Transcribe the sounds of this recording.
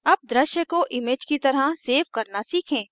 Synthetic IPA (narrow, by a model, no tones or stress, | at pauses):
ɐb̚d̪ɾəʃjəkoʔɪmeːd͡ʒkit̪ɐɾaseːfkɐɾnasiːkʰẽː